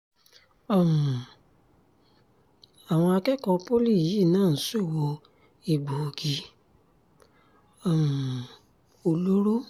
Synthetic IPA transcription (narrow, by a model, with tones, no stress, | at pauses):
ɔ˦˨m˨ | a˨w̃ɔ̃˧a˧kɛ˦kɔ̃˧po˦li˦˨ji˦˨nãː˦˨˦so˦˨wo˧ | i˨ɡ͡bo˨ɡi˨˧˦ | ɔ˦˨m˨ | o˧lo˦ɾo˦